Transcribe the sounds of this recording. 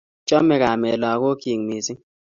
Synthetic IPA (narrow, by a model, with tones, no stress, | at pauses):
t͡ʃɔ˦mːɛ˦ka˨me˨lɔ˨˦ko˦ki˨ŋ˨mi˨si˦